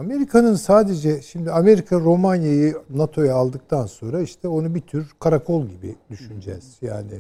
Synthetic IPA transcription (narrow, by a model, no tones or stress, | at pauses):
ame̞ɾikʰanɯnsaːd̪e̞d͡ʒɛʃimd̪iame̞ɾikʰaɾo̞manjajinat̪ʰo̞jaːlˠd̪ɯk̚t̪ʰanso̞nɾaiʃt̪ʰɛo̞nubit̪ʰyɾkʰaɾakʰo̞lˠɟibḭd̪yʃynd͡ʒɛ̰z̥ja̰ːni